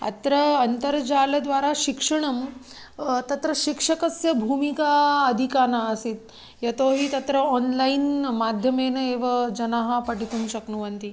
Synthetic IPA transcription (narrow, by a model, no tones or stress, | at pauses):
ɐ̰t̪ɾɐɐnt̪ɐɾd͡ʑaːlɐd̪ʋaːɾaʃikʂɐɳ̃ɐm | t̪ɐt̪ɾɐʃikʂɐkɐsjɐbʱuːmikaɐd̪ʱikaːnaːsit̪̚ | jɐt̪oːɦiːt̪ɐt̪ɾɐɔnlainmaːd̪ʱjɐmeːnɐeːʋɐd͡ʒɐnaɦɐpɐʈit̪unʃɐknuʋɐnt̪i